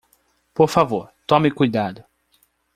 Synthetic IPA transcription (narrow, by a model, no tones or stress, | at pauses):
poɾfavoɾt̪õmɪkujd̪ad̪ʊ